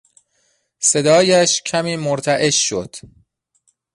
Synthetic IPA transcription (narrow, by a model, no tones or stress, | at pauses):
se̞d̪ɒːjæʃcʰæmiːmoɾt̪ʰæʔe̞ʃːod̪̥